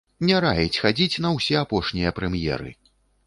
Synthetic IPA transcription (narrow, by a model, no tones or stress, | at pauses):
nʲɛɾajɛt͡sʲxad͡zʲit͡sʲn̪ɐwsʲɛapɔʂnʲijɐpɾɛmjɛ̰ɾɨ̰